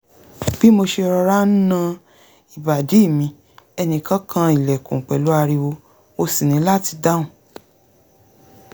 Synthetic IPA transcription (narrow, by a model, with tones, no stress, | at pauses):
b̥i˦mo˧ʃe˧ɾɔ˧ɾa˦n̩˦nã˦˧ | i˨ba˨de˨˦i˦˨mĩ˧ | ɛ˧nĩ˨kã˦kʰã˧i˨lɛ˨kũ˨k͡pɛ˨lu˨˦a˧ɾi˧wo˧ | o˧si˨nĩ˨˧˦la˦ti˧da˦ũ˨